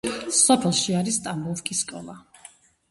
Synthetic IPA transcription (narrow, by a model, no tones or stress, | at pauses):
sɔpʰɛlˠʃiaɾist̪ʼambɔskʼisːkʼɔ̰lˠa